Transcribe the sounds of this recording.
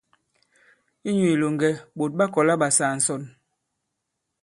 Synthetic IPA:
i˦ɲu˨i˨lo˨ŋɡɛ˨ɓo˨t̚ɓa˦kɔ˨la˦ɓa˨saː˨n̩˨sɔ˨n

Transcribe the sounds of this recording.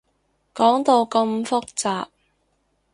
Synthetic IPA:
kɔː˨˥ŋt̪o˧wkɐ˧mfʊ˥k̚t͡saː˨p̚

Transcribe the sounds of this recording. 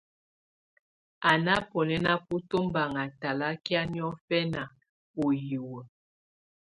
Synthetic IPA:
a˨na˦pɔ˨nɛ˦na˦pu˦to˦m˦ba˨ŋa˨ta˨la˦kja˦ni˦ɔ˦fɛ˦na˨ | o˨ji˨wə˨

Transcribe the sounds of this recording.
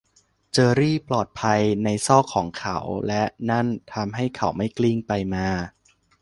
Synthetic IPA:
t͡ɕɤː˧ɾiː˥˩plɔː˨˩t̪̚pʰa˧jna˧jsɔː˥˩kʰɔː˩˦ŋkʰa̰˩˦wlɛ˦˥ʔna˥˩nt̪ʰa˧mɦa˥˩jkʰa˩˦wma˥˩jkli˥˩ŋpa˧jmaː˧

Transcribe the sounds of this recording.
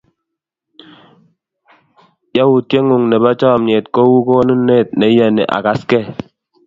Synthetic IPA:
ja˦wu˨tje˦ŋu˨ŋne˨ba˦t͡ʃɔ˦a˨m̩˨ɲe˨t̚kɔ˦wu˦kɔ˦nu˦ne˦˨t̚ne˨˦ja˨nḛ˨ʔa̰˨ka˨skɛ˦˨

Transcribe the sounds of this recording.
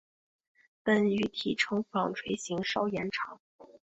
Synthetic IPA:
pə˨˩ny˧˥t̪ʰi˨˩ʈ͡ʂʰɤ˧˥ŋfɑ˨˩ŋʈ͡ʂʰwe˧˥ɪɕi˧˥ŋʂɑ˥˩ʊjɛ˧˥nʈ͡ʂʰɑ˧˥˦ŋ

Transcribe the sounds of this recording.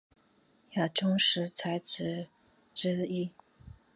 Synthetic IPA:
ja˨˩ʈ͡ʂʊ˥ŋʂɻ̩˧˥t͡sʰa˧˥ɪt͡sʰɹ̩˧˥˦ | ʈ͡ʂɻ̩˥i˥

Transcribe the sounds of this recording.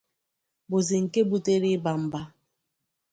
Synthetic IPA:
bo˨ze˨ŋ̩˨ke˦bu˦te˦ɾi˦ba˨m̩˦ba˦

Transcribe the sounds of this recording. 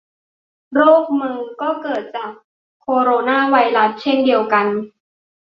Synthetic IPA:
ɾoː˥˩k̚mɯː˧ŋkɔː˥˩kɤː˨˩t̪̚t͡ɕaː˨˩k̚ | kʰːoː˧ɾoː˧naː˥˩wa˧jɾa˦˥s̚t͡ɕʰe˥˩ndi˧əwka˧n

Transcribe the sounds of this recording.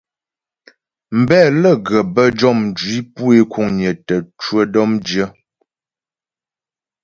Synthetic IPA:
m̩˨bɛː˦˨lə˦˨ɡə˨bə˦d͡ʒɔ˦˨mn˨d͡ʒwi˦pu˦e˦ku˦˨ŋɲə˨tə˨t͡ʃwə˦dɔ˦md͡ʒjə˦

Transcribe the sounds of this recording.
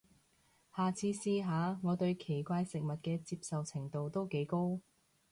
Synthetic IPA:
haː˨t͡sʰiː˨˧siː˧ɦaː˨˧ŋɔː˨˧t̪ɵ˧ɥkʰe˨˩jkʷaː˧jsɪ˨k̚mɐ˨t̚kɛː˧t͡siː˧p̚sɐ˨wt͡sʰɪ˨˩ŋt̪o˨˧wt̪o˥wke˨˥jko˥w

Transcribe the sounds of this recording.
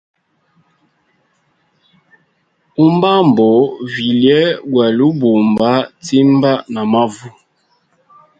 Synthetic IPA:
u˦mba˦m̩˨bɔ˨˦vi˨ljɛ˦ɡwa˨lu˦bo˨mba˦ti˦m˦ba˦na˨ma˦vu˦

